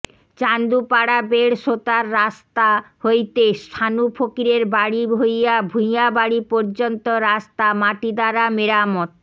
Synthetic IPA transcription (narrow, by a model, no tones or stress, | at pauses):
t͡ɕand̪upaɽabeɽʃot̪aɾːast̪ahojt̪est̪ʰanupʰokiɾeɾbaɽibʱojabʱũjabaɽipɔɾd͡ʑont̪oɾast̪amaʈid̪aɾameɾamɔt̪